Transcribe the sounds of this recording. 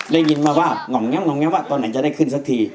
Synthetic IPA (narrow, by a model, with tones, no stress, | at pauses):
da˥˩jŋi˧nmaː˧waː˧˩ŋɔ˨˦ŋŋɛ˧˥mŋɔ˨˦ŋa˧˥˦waː˧˩t̪ɔː˧nːa˨˦jt͡ɕa˧˦da˥˩jkʰɯ˧˩˨nsa˧˥k̚t̪ʰiː˧